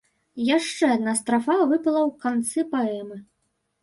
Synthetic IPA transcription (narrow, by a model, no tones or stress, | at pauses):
jaʂt͡ʂɛad̪̚nast̪ɾafavɨpɐlˠɐwkant̪sɨpaɛmɨ